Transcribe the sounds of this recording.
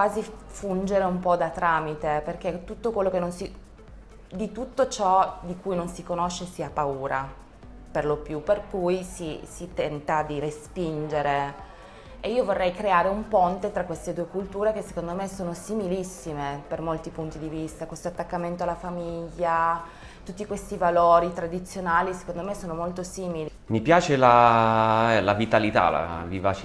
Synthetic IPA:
kwaːzifund͡ʒeɾeumpɔd̪at̪ːɾaːmit̪eperk̟et̪ːut̪ːokwelːokenːonsi | d̪it̪ut̪ːot͡ʃɔd̪ikujnonsikonoʃːesiapːauːɾa | perlopjuperkujsisit̪ɛnt̪ad̪iɾespind͡ʒeɾe | eiːovorːɛjkɾeaːɾeumpont̪et̪ɾakwest̪ed̪uekult̪uːɾekesːe̥kond̪omesoːnosimilisːimepermolt̪ipunt̪id̪ivist̪akwest̪oat̪ːakːament̪oalːafamiiʎːa | t̪ut̪ːikwest̪ivaloːɾit̪ɾad̪it̪sːjonaːlise̥kond̪omesoːnomolt̪osiːmili | mipjaːt͡ʃela | ɛlavit̪alit̪a̰la̰viva̰t͡ʃi

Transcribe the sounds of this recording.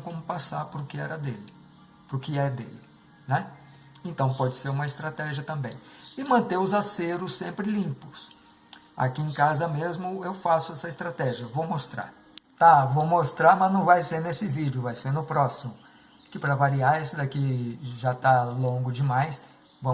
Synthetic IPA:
kõmʊpasaɾpʊɾʊkɪɛɾɐd̪elɪ | poɾʊkɪɛd̪ḛlɪ | nɛ | ẽnt̪ɐ̃w̃pɔd͡ʒɪseɾũmɐɪst̪ɾat̪ɛʒiɐt̪ɐ̃mbẽj̃ɪmɐ̃nt̪eʊzaseɾʊsːẽmpɾɪlĩpʊ̥s | a̰kiẽkazɐmezmʊewfasʊɛsɐɪst̪ɾat̪ɛʒiɐvowmost̪ɾa̰ɾ | t̪avowmost̪ɾaɾmɐznɐ̃w̃vajseɾnesɪvid͡ʒɪʊvajsenʊpɾɔsimʊ | kɪpɾɐvaɾiaɾesɪd̪akiʒat̪alõɡʊd͡ʒɪmajs | vɐ̃

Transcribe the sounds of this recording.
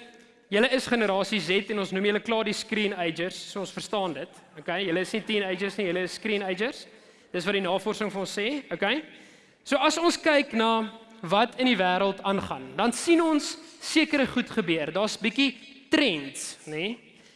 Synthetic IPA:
jələəsχənəɾɑːsisɛtɛnɔ̃nsnumjələklɑːdiskriːnɛjd͡ʒərsːuəɔ̃nsfərstɑːndətokejjələəsnitinɛjd͡ʒərsnijələəsːkriːnɛjd͡ʒərs | d̥ətsvɐdinɑːfɔrsəŋfənɔ̃nsɛːokej | suəɐsɔnskɛjknɑː | vɐtʰəndivæːɾəlˠtɑnχɐndɐnsinɔnsːiəkəɾəχutχəbøərdɑːsbikitɾɛntne

